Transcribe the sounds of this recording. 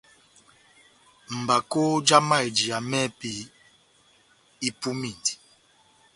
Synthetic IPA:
m̩˨ba˨ko˦d͡ʒa˦ma˦˨e˨d͡ʒi˨a˨mɛ˦pi˨ | i˦pu˦mi˦˨ndi˨

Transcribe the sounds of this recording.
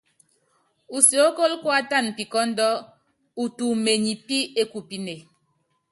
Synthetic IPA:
u˨so˨˦ko˦lkwa˦ta˦˨n˨pi˨kɔ˦n̩˦dɔ˦ | u˨tu˨me˨ɲi˨pi˦e˦ku˨pi˦ne˨

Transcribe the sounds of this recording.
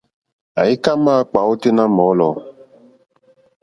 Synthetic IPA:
a˨i˦ka˦ma˦k͡pa˨˦o˦te˦nã˦mɔ˨˦lɔ˨

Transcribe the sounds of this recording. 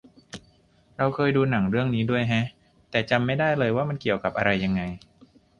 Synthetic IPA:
ɾa˧wkʰɤː˧jduː˧na˩˦ŋɾɯ˥˩əŋniː˦˥du˥˩əjɦa˦˥ʔ | t̪ɛː˨˩t͡ɕa˧mːa˥˩jdaː˥˩jlɤː˧jwaː˥˩ma˧nki˨˩əwka˨˩p̚ʔa˧ɾa˧jːa˧ŋːa˧j

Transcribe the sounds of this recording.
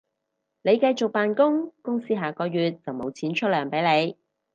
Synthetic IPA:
ne˨˧jkɐ˧jt͡sʊ˨k̚paː˨nkʊ˥ŋkʊ˥ŋsiː˥ɦaː˨˩kɔː˧jyː˨t̚t͡sɐ˨˩wmo˨˧wt͡sʰiː˨˥nt͡ʃʰɵ˥t̚lœː˨˩ŋpe˨˥jne˨˧j

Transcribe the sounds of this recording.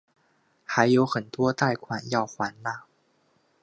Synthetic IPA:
xa˧˥ɪjo˧˥ʊxə˨˩nt̪wɔ˥t̪a˥˩ɪkʰwa˨˩njɑ˥˩ʊxwa˧˥nna˥˧

